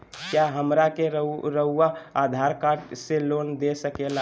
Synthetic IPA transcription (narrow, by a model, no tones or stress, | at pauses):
kjaɦəmɾakeɾəɾəɦuwaad̪ʱaɾkaɖselond̪esəkela